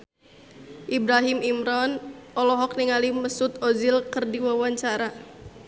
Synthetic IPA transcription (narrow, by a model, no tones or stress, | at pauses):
ʔibɾaɦimimɾɔnʔɔlɔɦɔk̚niŋaliməsut̪ozilkərdiwawaɲt͡ʃaɾa